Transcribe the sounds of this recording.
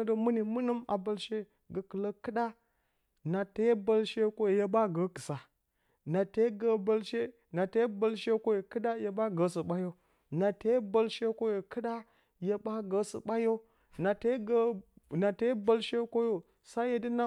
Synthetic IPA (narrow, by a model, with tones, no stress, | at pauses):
də˨mu˦ni˨mu˦nə˦ma̰˨ba˦lʃe˦ | ɡə˨kə˨lə˦kɨ˦ɗa˦ | na˨ta˦jba˦lʃe˦ko˦je˨ja˦ba˦ɡə˨˦kə˨sa˨ | na˨te˦ɡə˦ba˦lʃe˦ | na˨te˦ba˦lʃe˦ko˦je˨kɨ˦ɗa˦ja˨ba˦ɡə˨sə˨ɓa˦jo˦ | na˨te˦jba˦lʃe˦ko˦jo˨kɨ˦ɗa˦ | ja˦ba˦ɡə˨sə̰˨ɓa˦jo˦ | na˨te˦ɡə˦na˨te˦jba˦lʃe˦ko˦jo˨ | sa˦je˨di˦na˦